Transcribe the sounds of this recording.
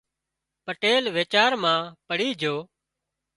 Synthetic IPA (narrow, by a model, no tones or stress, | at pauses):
pəʈeːlʋeːt͡ʃaːɾmãːpəɽiːd͡ʒʱoː